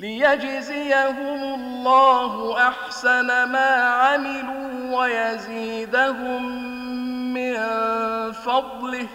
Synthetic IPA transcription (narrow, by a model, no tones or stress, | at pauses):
lɪjad͡ʒzɪjaɦʊmʊlˤːɑːɦʊʔaħsanamaːʕamɪluːwajaziːd̪aɦʊmː | ɪn | fɑd̪ˤlɪh